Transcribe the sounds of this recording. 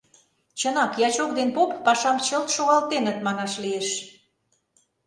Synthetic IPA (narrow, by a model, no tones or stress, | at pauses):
t͡ɕənɑkjɑt͡ɕokd̪enpopːɑʃɑmt͡ɕəlt̪ʃoɣɑlt̪enə̆t̪mɑnɑʃlieʃ